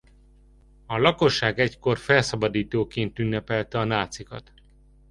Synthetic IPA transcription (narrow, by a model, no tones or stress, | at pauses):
ɒlɒko̞ʃːaːɡɛcko̞rfɛlsɒbɒd̪iːt̪oːkeːnt̪ynːɛpɛlt̪ɛɒnaːt̪sikɒ̰t̪